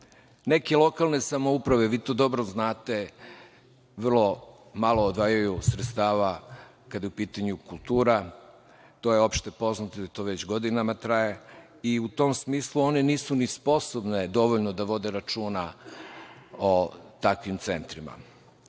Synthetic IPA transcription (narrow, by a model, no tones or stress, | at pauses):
ne̞ke̞lˠo̞kalˠne̞samoupɾaʋe̞ʋiːt̪od̪o̞bɾoznaːt̪e̞ | ʋr̩lˠo̞ | malˠoːd̪ʋaːjajusɾet̪st̪aːʋa | kad̪jeupiːt̪aɲukulˠt̪uːɾa | t̪o̞ːjeo̞pʃt̪e̞po̞znat̪od̪at̪oːʋet͡ɕɡo̞d̪inamat̪ɾaje | iut̪o̞msmiːslˠuo̞ne̞niːsunispo̞sobned̪o̞ʋoʎnod̪aʋo̞d̪e̞ɾat͡ʃuːna | ot̪akʋimt̪se̞nt̪ɾima̰